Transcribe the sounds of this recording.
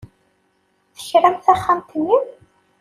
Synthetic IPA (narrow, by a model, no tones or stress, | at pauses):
θə̥çɾæmθæχːamt̪ənːiw